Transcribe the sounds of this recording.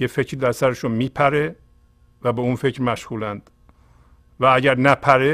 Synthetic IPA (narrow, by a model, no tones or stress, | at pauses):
jefecʰɾid̪æɾsæɾeʃonmiːpʰæɾe̞ | væbe̞unfe̞cɾmæʃɣuːlænd̪̥ | vææɟæɾnæpʰæɾe